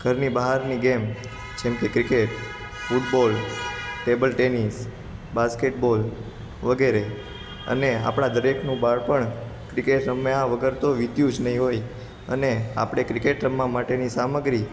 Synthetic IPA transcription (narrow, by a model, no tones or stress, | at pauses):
ɡ̥ʱəɾnibaɦaɾniɡem | d͡ʒemkekɾikeʈ | fuʈ̚bolʈebəlʈenis | baskeʈbol | ʋəɡeɾe | ə̰nea̰pɽ̃ad̪əɾekʰnũbaɾpəɳ | kɾikeʈɾəmːeaʋəɡəɾt̪oʋit̪jũd͡ʒnəɦĩɦoj | ənea̰pɽ̃ekɾikeʈɾəmːamaʈenisaməɡɾi